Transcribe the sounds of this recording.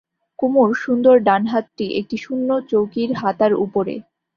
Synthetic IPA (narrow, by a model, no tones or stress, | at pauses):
kumuɾʃund̪oɾɖanɦat̪̚ʈiʔek̚ʈiʃunːot͡ɕowkiɾɦat̪aɾṵpoɾḛ